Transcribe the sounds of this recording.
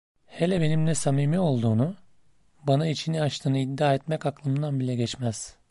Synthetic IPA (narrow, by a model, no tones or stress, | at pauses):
helʲɛbe̞nimlʲɛsamiːmio̞lˠd̪uːnu | banait͡ʃʰiniat͡ʃt̪ʰɯːnɯid̪ːaːɛt̪mɛkaklˠɯmɯnd̪anbilʲɛɟɛt͡ʃmɛz̥